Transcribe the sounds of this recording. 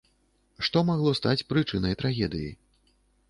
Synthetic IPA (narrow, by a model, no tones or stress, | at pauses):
ʂt̪ɔmaɣlˠɔst̪at͡sʲpɾɨt͡ʂɨnɐjt̪ɾaɣʲɛd̪ɨjḭ